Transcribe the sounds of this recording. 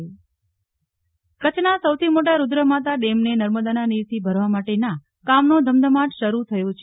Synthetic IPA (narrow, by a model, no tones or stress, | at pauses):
kət͡ʃʰnasəwt̪ʰimoʈ̬aɾud̪ɾəmãt̪aɖemnenəɾməd̪ananiʋt̪ʰibʱəɾʋamaʈenã | kamnod̪ʱəmd̪ʱəmaʈʃəɾut̪ʰəjot͡ʃʰe